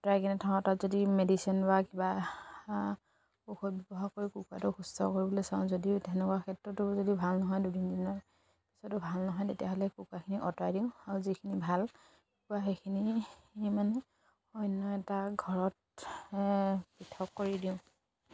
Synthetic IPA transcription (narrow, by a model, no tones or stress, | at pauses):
ɔtajkʰinɛtʰaatatzodimedisiɔnbakiba | pɔxʰɔt̚bɔbɔɦaɹkoɹikukua̰tʊxustɔ̰koɹibɔlosaʊ̃zodiʊtɛnɛkuakʰɛtɹɔtʊzodiʊbʱalnɔɦɔjdudʱindinɔɹ | pi̥sɔtʊbʱalnɔɦɔjtetijaɦɔlɛkukwakʰiniʔɔtajdiʊ̃aɹuzikʰinibʱal | kukuaxekʰiniemanɛ | ɔjnːɔɛtaɡʱɔɹɔt̚ | pitʰɔkːoɹidiʊ̃